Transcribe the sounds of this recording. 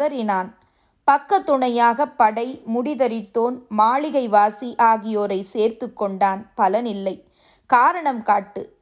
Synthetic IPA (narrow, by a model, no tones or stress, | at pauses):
ɐɾɪnaːn | pɐkːɐt̪ːʊɳɐjaːɣɐpːɐɽɐɪmʊɽɪðɐɾɪt̪ːoːnmaːɭɪɣɐɪʋaːsiʔaːɣɪjoːɾɐɪseːɾt̪ɯkːɔɳɖaːnpɐlɐnɪlːɐɪ | kaːɾɐɳɐmkaːʈːɯ